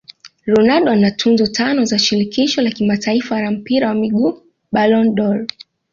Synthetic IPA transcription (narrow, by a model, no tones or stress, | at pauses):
ɾɔnaɗɔanatʰunzɔtʰanɔzaʃiɾikiʃɔlakimataifaɾam̩piɾawamiɠuː | ɓalɔnɗɔl